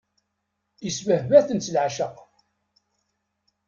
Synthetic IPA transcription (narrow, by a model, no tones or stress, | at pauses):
jəsvəhvæθənt͡səlʕaʃəq